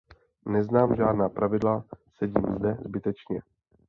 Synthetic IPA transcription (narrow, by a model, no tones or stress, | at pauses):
nɛznaːmʒaːdnaːpɾʔavɪdlasɛɟiːmzdɛzbɪt̪ɛt͡ʃɲɛ